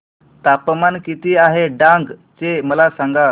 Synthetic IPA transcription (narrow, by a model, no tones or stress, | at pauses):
t̪apmankit̪iːaɦeɖãŋɡt͡seməlasãŋɡa